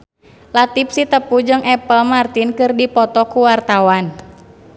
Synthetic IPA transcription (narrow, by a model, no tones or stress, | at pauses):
lat̪ip̚sit̪əpud͡ʒɨŋɛpəlmart̪inkɨrdipɔt̪ɔkuwart̪awan